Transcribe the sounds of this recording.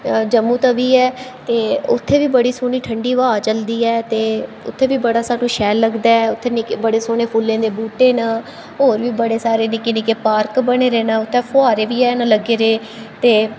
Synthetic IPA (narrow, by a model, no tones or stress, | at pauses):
d͡ʒəmːũːt̪aːʋiːɛːt̪eːʊ̰t̪ʰːeːʋiːbəɽiːsoːniːʈʰəɳɖiːʋaːt͡ʃəld̪iːɛːt̪eː | ʊ̰t̪ʰːeːʋiːbəɽaːsaːnũːʃɛːlːəɡd̪aːɛːʊt̪ʰːeːnɪkːbəɽeːsoːneːpʰʊlːẽːd̪eːbuːʈeːnaː | ɦoːɾʋiːbəɽeːsaːɾeːnɪkeːnɪkeːpaːɾkbəɽ̃eːɾeːnaːʊt̪ʰːɛːpʰʊaːɾeːʋiːɛːnãləɡeːɾeː | t̪eː